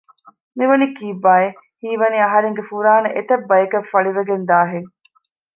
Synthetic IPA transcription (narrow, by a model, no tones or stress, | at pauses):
miʋɐnikiːbːaːe | hiːʋɐniɐɦɐɾeŋɡefuɾaːnɐʔet̪ɐbːɐjɐkɐfɐɭiʋeɡend̪aːɦeŋ